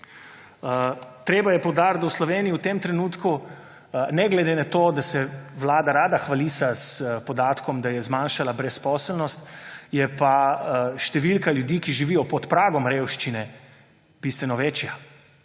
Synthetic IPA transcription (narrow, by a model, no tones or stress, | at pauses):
t̪ɾeːbajɛpɔwd̪aɾt̪awslɔʋeːnijiut̪emt̪ɾɛnuːt̪ku | nɛɡlɛd̪enat̪oːd̪asɛʋlaːd̪aɾaːd̪axʋalisaspɔd̪aːt̪kʰɔmd̪ajɛzmanʃalabɾɛspɔːslnɔst̪jɛpaʃt̪ɛʋilkaljud̪iːkiʒiʋijɔpɔt̪pɾaːɡɔmɾeːwʃt͡ʃinɛ | b̥ist̪ʋɛnɔʋeːt͡ʃja